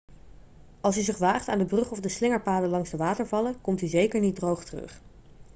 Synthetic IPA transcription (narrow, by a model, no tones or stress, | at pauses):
ɑlˠs̬yzɪχʋaːχtaːndəbrɵχɔvdəslɪŋəɹpaːdəlɑŋzdəʋaːtəɹvɑləkɔmtyzejkəɹnit̚drowχtərɵ̰χ